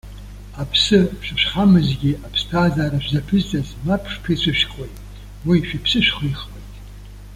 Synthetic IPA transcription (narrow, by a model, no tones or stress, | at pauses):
apʰsɨʃʷᶣɨʃʷᶣχamɨzɡʲiapʰstʰaːzaːɾaʒʷᶣzapʰɨzt͡sʼazmapʰʂpʰɨt͡ʃʷʰɨʃᶣkʰʼojtʼ | wiʃᶣipʰsɨʃχʷiiχwejtʼ